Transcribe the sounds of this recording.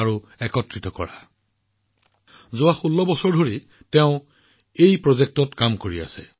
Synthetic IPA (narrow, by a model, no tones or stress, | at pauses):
aɹu | ɛkɔtɹitɔkɔ̰ɹa | zʊaxulːɔbɔsɔɹdʱoɹi | tɛʊ̃ | ejpɹɔzek̚tɔtkamkoɹia̰sɛ̰